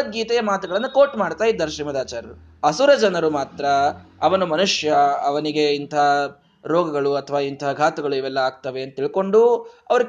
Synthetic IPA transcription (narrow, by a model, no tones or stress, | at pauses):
ɡiːt̪ɛjɐmaːt̪uɡɐɭɐnːɐkoːʈmaːɖt̪aːjid̪ːɐɾɐʃɾiːmɐd̪aːt͡ʃaːɾɐɾu | ɐsuɾɐd͡ʒɐnɐɾumaːt̪ɾɐːʋɐnumɐnuʂjɐɐʋɐniɡe̞int̪ʰa | ɾɔːɡɐɡɐɭuɐt̪ʰːɐʋaːint̪ʰɐɐɡʱaːt̪ɐɡɐɭuiʋɛlːɐaːɡ̚t̪ɐʋe̞ɐnt̪ɐt̪iɭko̞ɳɖuɐʋɐɾu